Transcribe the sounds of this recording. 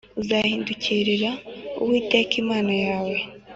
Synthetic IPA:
uzahiːnduciːɾiɾaṵwiːtekimaːnajaːwe̞

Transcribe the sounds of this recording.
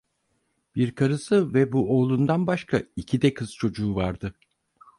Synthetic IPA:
b̥iɾkʰaɾɯsɯvɛbuo̞ːlˠund̪anbaʃkʰaicʰid̪ɛkʰɯz̥t͡ʃʰo̞d͡ʒuːvaɾd̪ɯ

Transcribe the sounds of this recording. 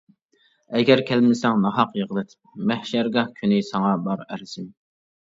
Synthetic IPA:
ɛɡʲæɾkʲʰælmɪsɛŋnɑɦɑqjəʁəlˠɨt̪ʰp̚mæhʃɛɾɡɑhkʲʰynɪsɑŋɑbɑɾɛɾɪsɪm

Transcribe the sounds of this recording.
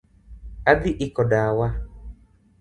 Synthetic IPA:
adiʔikɔɖawa

